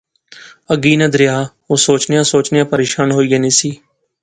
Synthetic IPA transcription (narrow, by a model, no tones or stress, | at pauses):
əɡiːnəd̪ɾɪjaː | oːsoːt͡ʃnejãːsoːt͡ʃnɪjãːpəɾeːʃaːnɦoːiːaːnĩːsiː